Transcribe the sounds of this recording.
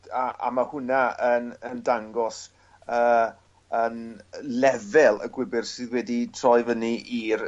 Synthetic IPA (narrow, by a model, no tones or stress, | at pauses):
aa̰mahʊnaənəndaŋɡɔs | əː | ənlɛvɛlˠə̰ɡwɪbɪrsɨðwɛditʰrɔɨvəniʔir